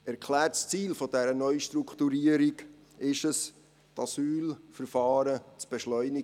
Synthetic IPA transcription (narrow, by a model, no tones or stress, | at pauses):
ɛɾkʰlæːtst͡siːlfɔdɛɾənœʏʃtɾuktuɾiəɾiɡ | ɪʃəs | tʰɑsyːlfəɾfɑːɾət͡sb̥ɛʃlœʏni